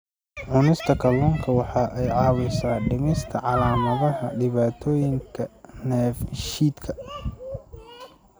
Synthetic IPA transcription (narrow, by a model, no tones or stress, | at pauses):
ʕʊnɪst̪ʰɐkʰɐlɔːŋkʰɐwɑħɑːʔɛjʕɑːwɪsaːɖɪmɪst̪ʰɐʕɑlaːmɐðɐɦɐɖɪβaːt̪ʰɔːjɪŋkʰɐnɛːfʃiːd̪kʰɐ